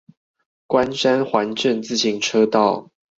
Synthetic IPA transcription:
kwa˦nʂa˦nxwa˨˦nʈ͡ʂə˥˨nt͡sɹ̩˥˨ɕʰi˧˥ŋʈ͡ʂʰɤ˦t̪ɑ˥˨ʊ

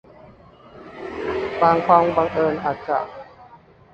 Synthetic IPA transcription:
baː˧ŋkʰɔ˧ŋbaː˧ŋʔɤː˧˩nʔa˨˩t̪̚ka̰˧˩ʔ

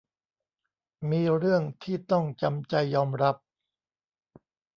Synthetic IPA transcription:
miː˧ɾɯ˥˩əŋt̪ʰiː˥˩t̪ɔ˥˩ŋt͡ɕa˧mt͡ɕa˧jːɔː˧mɾa˦˥p̚

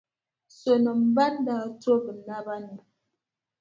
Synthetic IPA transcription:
so˨nə˨m̩˦ba˦nda˨to˦bə˨na˦ba˦nə˨

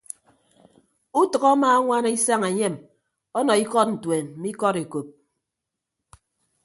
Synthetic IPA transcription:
u˦tʌ˨ɣɔ˦maː˦ŋʷa˦n˦i˦sa˦ŋe˨ɲe˦˨m | ɔ˦nɔ˨i˦kɔ˦t̚n̩˨twe˨m̩˨mi˦kɔ˦ɾe˨ko˨p̚

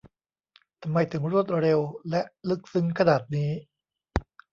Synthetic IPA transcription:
t̪ʰa˧mːa˧jt̪ʰɯ˩˦ŋɾu˥˩ət̪̚ɾe˧wlɛ˦˥ʔlɯ˦˥k̚sɯ˦˥ŋkʰa˧naː˨˩t̪̚niː˦˥

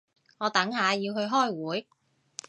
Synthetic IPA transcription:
ŋɔː˨˧t̪ɐ˨˥ŋɦaː˨˧jiː˧wɦɵ˧ɥɦɔː˥˩jwuː˨˥j

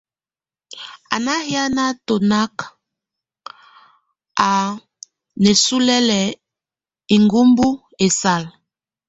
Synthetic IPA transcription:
a̰˨na˦hja˦na˦to˨na˦k | a˨ | nɛ˨su˦lɛ˦lɛ˨ | i˨ŋɡu˦mbu˦ | e˨sa˦˨l

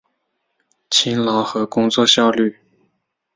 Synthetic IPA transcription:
t͡ɕʰi˧˥nlɑ˧˥˦ʊxɤ˧˥kʊ˥ŋt͡swɔ˥˧ɕjɑ˥˧ʊly˥˩

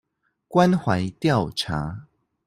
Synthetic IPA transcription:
kwa˦nxwa˨˦jt̪ja˥˨wt͡sʰa̰˨˦

